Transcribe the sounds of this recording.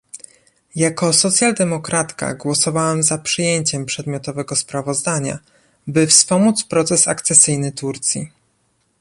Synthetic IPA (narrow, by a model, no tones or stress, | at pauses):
jakɔsɔt̪sʲjald̪ɛmɔkɾat̪ka̰ɡwɔsɔvawamzapʂɘjeɲt͡ɕɛmpʂɛd̪mʲjɔt̪ɔvɛɡɔspɾavɔzd̪aɲa̰ | bɘfspɔmut̪spɾɔt̪sɛsa̰kt̪sɛsɘjnɘt̪uɾt̪sʲjḭ